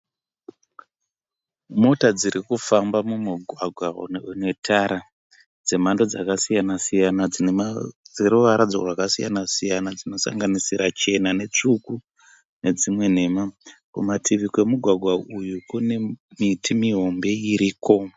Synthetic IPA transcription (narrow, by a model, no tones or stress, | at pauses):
mo̞tad͡ziɾikufambamumuɡʱwaɡʱwanetʰaɾa | d͡ze̞mando̞d͡zakasijanasijana | d͡zeɾuʋaɾad͡zo̰ʐakasija̰nasijanad͡zino̞sa̰ŋɡanisiɾat͡ʃe̞nane̞t͡ʂuku | ne̞d͡zimwe̞n̤e̞makṵmatʰiʋike̞muɡʱwaɡʱwaujukune̞mitimiɦo̞mbe̞iɾiːko̞